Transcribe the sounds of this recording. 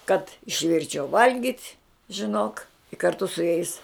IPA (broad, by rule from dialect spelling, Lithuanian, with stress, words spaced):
kɐt ɪʃʲˈʋʲɪrʲt͡ʃʲɛʊ ˈʋɐlʲɡʲɪtʲ ʒʲɪˈnoːk kɐrˈtʊ sʊ jɛɪs